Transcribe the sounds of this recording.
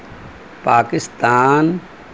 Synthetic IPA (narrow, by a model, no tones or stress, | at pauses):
paːkɪst̪aːn